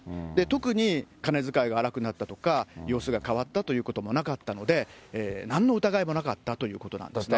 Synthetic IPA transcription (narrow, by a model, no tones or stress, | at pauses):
d̪e̞t̪o̞kɯ̟ɲ̟ikane̞zɨkaiɡaːɾakɯ̟nat̪ːat̪o̞̥kajo̞ːsɨɡakaβ̞at̪ːat̪o̞jɯ̟ːko̞t̪o̞mo̞nakat̪ːano̞d̪e̞eːnãnːo̞ɯ̟t̪aɡaimo̞nakat̪ːat̪o̞jɯ̟ːko̞t̪o̞nã̰nd̪sne